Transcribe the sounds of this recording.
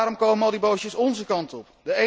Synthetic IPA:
ɾɔmkowməmɔdibowʃjəsɔnzəkɑntɔpdəe

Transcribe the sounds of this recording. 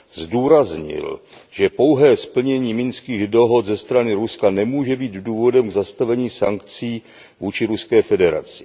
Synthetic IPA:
zduːɾazɲɪ̰lʒɛpo̞wɦɛːspl̩ɲɛɲiːmɪnskiːɣdo̞ɦo̞t̪zɛst̪ɾanɪɾuskanɛmuːʒɛbiːt̪duːvo̞dɛmɡzast̪avɛɲiːsaŋkt͡siː | vuːt͡ʃɪɾuskɛːfɛdɛɾa̰t͡sɪ̥

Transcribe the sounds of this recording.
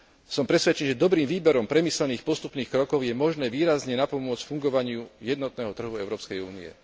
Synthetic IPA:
sɔmpɾɛsʋɛt͡ʃɛnʒɛd̪ɔbɾiːmʋiːbɛɾɔmpɾɛmislɛniːxpɔst̪upniːxkɾɔkɔʊjɛmɔʒnɛːʋiːɾazɲɛnapɔmʊɔt͡scfuŋɡɔʋaɲɪujɛd̪nɔt̪nɛːɦɔt̪r̩ɦuɛʊɾɔːpskɛjuːniɛ̰

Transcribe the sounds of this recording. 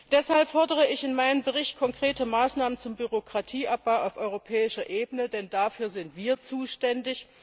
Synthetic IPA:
d̥ɛshalpfɔɐdəʁ̞əɪçɪnmaɪnəmbəʁɪçtkʰɔŋkʁ̥eːtəmaːsnaːmənt͡sʊmbyʁokʁ̥atʰiːʔap̚b̥aʊʔaʊfʔɔʏʁopʰɛːɪʃɐʔeːbənədɛndafyːɐzɪntv̥iːɐt͡suːʃtɛndɪç

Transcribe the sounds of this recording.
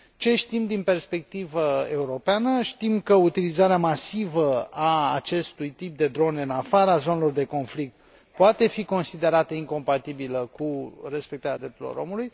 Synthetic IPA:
t͡ʃe̞ʃt̪imd̪inpe̞rspe̞k̚t̪ivəe̞uɾo̞peanəʃt̪imkəut̪ilizaɾeamasivəaːt͡ʃe̞st̪ujt̪ip̚d̪e̞d̪ɾo̞neɨnafaɾazo̞ne̞lo̞rd̪e̞ko̞nflik̚t̪̚ | poat̪e̞fiko̞nsid̪e̞ɾat̪əiŋko̞mpat̪ibiləkure̞spekt̪aɾʲad̪ɾe̞p̚t̪uɾilo̰ɾo̞muluj

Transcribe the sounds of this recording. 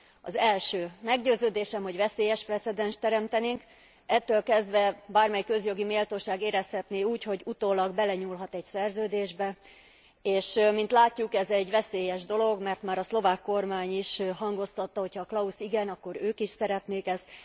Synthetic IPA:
ɒ̰zɛlʃøːmɛɡɟøːzøːd̪eːʃɛmho̞ɟvɛseːjɛʃprɛt̪sɛd̪ɛnʃt̪ːɛɾɛmt̪ɛneːŋk | ɛt̪ːøːlkɛzd̪vɛbaːrmɛjkø̞zjo̞ɡimeːlt̪oːʃaːɡeːɾɛshɛt̪neːuːcho̞ɟut̪oːlɒɡbɛlɛɲulɦɒt̪ɛcsɛrzøːd̪eːʒbɛ | eːʃmint̪laːcːukɛzɛɟʋɛseːjɛʒd̪o̞lo̞ɡmɛrt̪maːɾɒslo̞vaːkːo̞rmaːɲiʃɦɒŋɡo̞st̪ɒt̪ːɒɦo̞chɒːklɒusiɡɛnɒkːo̞ɾøːkiʃsɛɾɛt̪neːkɛst̪

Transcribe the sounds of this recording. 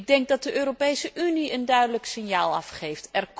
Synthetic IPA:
ɡ̚dɛŋk̚dɑt̚dəʔøːɾopejsəʔyniəndœɥdələksɪnjaːlˠɑ̰fχejftɛrk

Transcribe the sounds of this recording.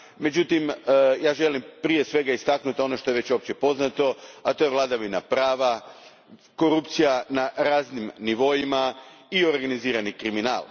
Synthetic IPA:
me̞d͡ʑut̪imjaːʒe̞limpɾije̞sʋe̞ɡaist̪aknut̪io̞no̞ʃt̪o̞jeʋe̞t͡ɕo̞pt͡ɕepo̞znat̪o̞at̪o̞jeʋlˠad̪aʋina̰pɾaːʋa | ko̞ɾupt̪sijanaɾaːznimniʋo̞jimaio̞ɾɡaniziːɾanikɾimina̰ːlˠ

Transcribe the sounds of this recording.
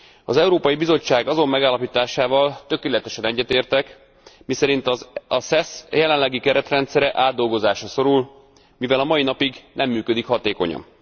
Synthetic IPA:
ɒzɛuɾoːpɒjibizo̞t͡ʃːaːɡɒzo̞mːɛɡaːlːɒpit̪aːʃaːvɒlt̪ø̞keːlɛt̪ɛʃɛnɛɟːɛt̪eːrt̪ɛk | misɛɾint̪ɒsɛsjɛlɛnlɛɡikɛɾɛt̪rɛnt̪sɛɾɛʔaːd̪ːo̞lɡo̞zaːʃɒso̞ɾul | mivɛlɒmɒinɒpiɡnʔɛmːyːkød̪ikhɒt̪eːko̞̰ɲɒ̰m

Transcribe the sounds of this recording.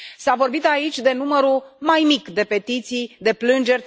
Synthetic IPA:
savo̞rbit̪ait͡ʃʲd̪e̞numəɾumajmikd̪e̞pe̞t̪it̪sijd̪e̞plɨnd͡ʒe̞rʲ

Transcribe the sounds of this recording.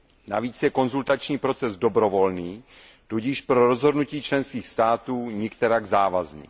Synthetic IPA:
na̰viːt͡sjɛko̞nzult̪at͡ʃɲiːpɾo̞t͡sɛzdobɾovo̞lniː | t̪uɟɪʃpɾoɾozɦo̞dnuciːt͡ʃlɛnskiːxst̪aːt̪uːɲɛkt̪ɛɾaɡzaːvaznḭː

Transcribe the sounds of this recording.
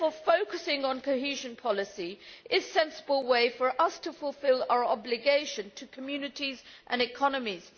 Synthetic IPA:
fəfoʊkəsɪ̃ŋə̃nkʰoʊhiʒɨ̃npʰɑlˠɨsiʔɪz̥sɛ̃nsəbəlˠweɪfə˞ʔʌstʰəfəlˠfɪlˠa̰ʊə˞ɑblɨɡeɪʃɨ̃ntʰəkʰəmjʉnɨtizʔə̃nɨkʰɑnəmiz̥

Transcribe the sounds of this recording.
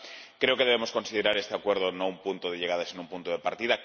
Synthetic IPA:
kɾe̞oke̞ðeemosko̞nsiðeɾaɾe̞st̪eakwe̞ɾð̞ono̞umpunt̪oð̞e̞ʎeɣað̞asinoumpunt̪oð̞epaɾt̪iða

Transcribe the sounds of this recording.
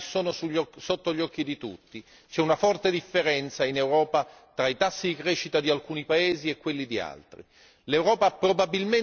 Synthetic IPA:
soːnosuʎɔsot̪ːoʎːɔkːid̪it̪ut̪ːi | t͡ʃɛunafɔrt̪ed̪ifːeɾɛnt̪sainewɾɔːpa | t̪ɾait̪asːid̪ikɾeːʃːit̪ad̪ialkuːnipaeːziekːwelːid̪ia̰lt̪ɾḭ | lewɾɔːpapːɾobabilme

